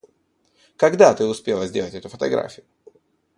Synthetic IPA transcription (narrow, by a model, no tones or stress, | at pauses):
kɐɡd̪at̪ɨʊspʲe̞lˠəzʲdʲelˠətʲɛt̪ʊfət̪ɐ̰ɡɾa̰fʲɪjʊ